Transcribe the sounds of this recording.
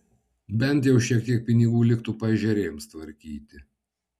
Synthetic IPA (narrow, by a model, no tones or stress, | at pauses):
bʲɛnʲˑt̪jɛʊʃʲiɛk̚t̪ʲiɛk̚pʲɪnʲɪɡuːlʲɪkt̪upɐʒʲɛɾʲeːjmst̪ʋɐɾʲkʲiːt̪ʲɪ